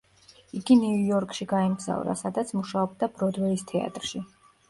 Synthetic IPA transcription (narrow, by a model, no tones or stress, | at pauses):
iɡiniujɔɾkʰʃiɡaɛmɡz̥a̰vɾa̰sad̪at̪sʰmuʃaɔb̚d̪ab̥ɾɔd̪wɛist̪ʰɛa̰t̪ʼɾʃi